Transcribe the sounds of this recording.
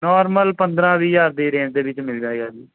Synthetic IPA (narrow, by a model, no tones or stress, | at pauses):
nɔːɾməlpə̃nd̪ɾãːʋiːjaːɾd̪eːɾẽːʈd̪eːʋɪt͡ʃmɪld͡ʒaːeɡaːd͡ʒiː